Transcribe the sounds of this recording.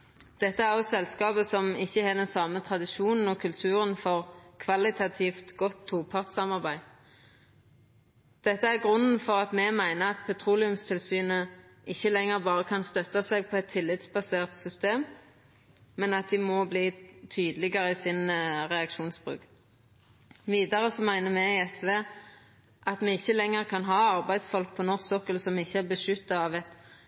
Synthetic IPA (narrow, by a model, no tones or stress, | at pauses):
d̪̥ɛt̪ːəæʁɔsɛlskɑːbəsɔmɪçːəhɛːd̪ɛnsɑːmət̪ʰʁɑd̪ɪʃuːnn̩ɔkʰʉlt̪ʰʉːʁənfɔʁkʰʋɑlɪt̪ʰɑt̪ʰiːft̪ɡɔt̪ʰːuːpʰɑʁt̪sɑmɑʁbæɪ | d̪̥ɛt̪ːəæʁɡʁʉnn̩fɔʁɑt̪mɛmæɪnəɑt̪̚pʰɛt̪ʰʁuːlɪʉmst̪ʰɪlsyːnə | ʔɪçːəlɛŋːəʁbɑːʁəkʰɑnst̪œt̪ːɑsɛɡ̚pʰɔɛt̪ʰːɪlːɪt̪sbɑseːʁt̪sʏst̪eːm | ɛnɑt̪̚d̪ɪmɔbliːt̪ʰyːd̪əlɪɡəɾəɪsɪnʁɛɑkʃuːnsb̥ʁʉ̰ːk | ʋiːd̪əʁəsɔmæɪnəmɛɛsʋeː | ʔɑt̪mɛɪçːəlɛŋːəʁkʰɑnɦɑːɑʁbæɪd̪sfɔlk̚pʰɔnɔʁsɔkəlsɔmɪçːəæʁbəʃʏt̪ːɑɑʋɛt̪